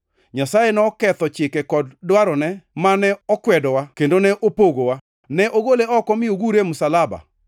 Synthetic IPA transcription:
ɲasajenɔkɛt̪ɔt͡ʃɪkɛkɔddwaɾɔnɛmanɛɔkwɛdɔwakendonɛʔopoɡowa | nɛʔoɡoleɔkɔmɪoɡuɾemʊsalaba̰

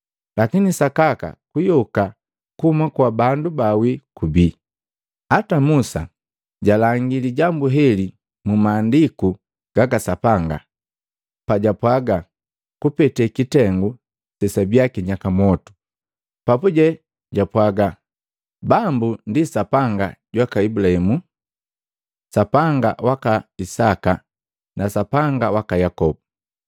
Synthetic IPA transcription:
lakinisakaka̰kujɔka | kuumakwabandubawikubi | atamusa̰ | ɟalaŋɡiliɟambuɦɛli | mumaːndiku | ɡ̥aɡasapaŋɡa̰ | paɟapwaɡa | kupɛtɛkitɛŋɡu | sɛsabjakiɲakamɔtu̥ | papuɟɛ | ɟapwaɡa | bambundisapaŋɡaɟwakaibulahɛmu | sapaŋɡa̰wakaisaka | nasapaŋɡawakajakɔbu

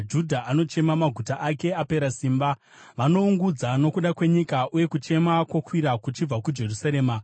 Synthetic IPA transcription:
d͡ʒudʱaʔano̞t͡ʃe̞mamaɡʱutaʔake̞ape̞ɾasiːmba | ʋano̞uŋɡud͡zano̞kuɗakwe̞ɲikaʔuje̞kut͡ʃe̞makwokwiɾakut͡ʃib͡vakud͡ʒe̞rusaɾe̞ːma

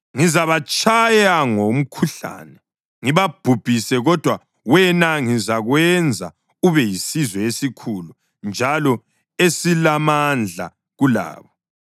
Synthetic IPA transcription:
ŋizaβat͡ʃʰʼajaŋom̩kʰuɬa̰ːnɛ | ŋiβab̥ʱub̥ʱisɛɣɔd̥ʱwa | wɛnaŋizaɣwɛnd͡zʱa | uβɛjisizwɛesikʰulu | nd͡ʒʱalɔ | esilamand͡ɮʱa̰ | ɣula̰ːβɔ

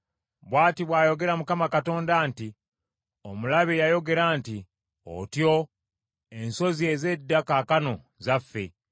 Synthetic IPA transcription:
βwaːtiβwaːjo̞ɡe̞ɾamukamakato̞ːndaːnti | o̞mulaβejajo̞ɡe̞ɾaːnti | o̰tjo̞ | e̞nso̞zie̞ze̞dːakakano̞ | zafːe̞̰

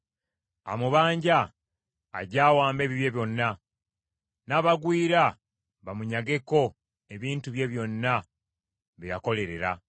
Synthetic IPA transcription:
a̰muβaːɲɟa̰ː | ɟaːwaːmbe̞ːβiβje̞βjo̞nːa | naːβaɡwiːɾa | βamuɲaɡe̞ko̞ | e̞βiːntuβje̞βjo̞nːa | βijako̞le̞ɾe̞ɾa

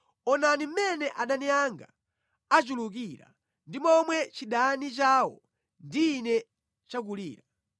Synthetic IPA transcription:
ɔnanim̩mɛnɛʔaɗanijaŋɡa | at͡ʃuluk̬iɾa̰ | ndimɔmwɛt͡ʃiɗanit͡ʃaːwɔ̰ | ndiːnɛ | t͡ʃakulḭːɾa

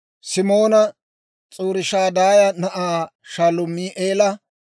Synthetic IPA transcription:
sɪmo̞ːnɐ | t͡sʼuːɾɪʃaːd̪aːjɐnɐʔaːʃaːlʊmːiːʔeːlɐ

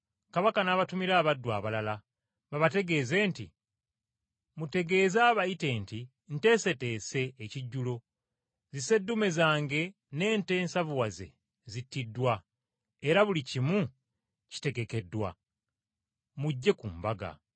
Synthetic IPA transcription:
kaβakanaβatumiɾaːβadːwaːβalala | βaβate̞ɡe̞ːze̞ːnti | mute̞ɡe̞ːzaːβajite̞ːnti | n̩te̞se̞te̞ːse̞ːciɟːulo̞ | zise̞dːume̞zaːŋɡe̞ | ne̞ːnte̞ːnsavuwaze̞̰ | zitːidːwa | e̞ɾaβulicimu | ci̥te̞ɡe̞ke̞dːwa̰ | muɟːe̞kumbaɡa̰

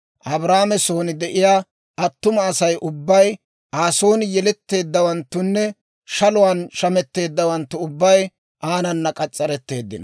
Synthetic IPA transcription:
ʔɐbɾaːmɛso̞ːnɪd̪ɛʔɪjaː | ʔɐt̪ːʊmɐːsɐjʔʊbːɐj | ʔaːso̞ːnɪjɛlɛt̪ːe̞ːd̪ːɐwɐnt̪ːʊnːɛ | ʃɐlʊwaːnʃɐmɛt̪ːe̞ːd̪ːɐwɐnt̪ːʊʊbːɐj | ʔaːnɐnːɐkʼɐt͡sʼːɐɾɛt̪ːe̞ːd̪ːɪnɐ

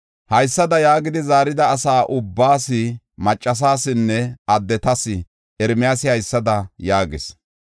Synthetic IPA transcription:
hɐjsːɐd̪ɐjaːɡɪd̪ɪzaːɾɪd̪ɐːsaːʔʊbːaːsɪ | mɐt͡ʃʼːɐs̬aːsɪnːɛɐd̪ːɛt̪ɐsɪ | ɛɾmɪjaːsɪhɐjsːɐd̪ɐjaːɡɪs

